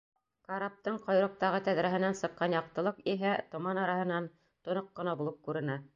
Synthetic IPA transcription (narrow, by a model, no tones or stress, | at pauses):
kɑɾap̚t̪ɤɴqɑ̆jɾɤ̆q̚t̪ɑʁɤt̪æðɾæɦɘ̆nænsɤ̆qːɑnjɑq̚t̪ɤ̆lˠɤqiɦæt̪ŏmɑnɑɾɑɦɤ̆nɑn | t̪ŏnoqːɤ̆nɑbulˠɤp̚kʉɾɘ̆næ